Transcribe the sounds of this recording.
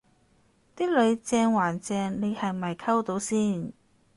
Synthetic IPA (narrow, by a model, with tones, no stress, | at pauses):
t̪iː˥lɵ˨˧ɥt͡sɛː˧ŋwaː˨˩nt͡sɛː˧ŋne˨˧jhɐ˨jmɐ˨jkʰɐ˥wt̪o˨˧˥wsiː˥˩n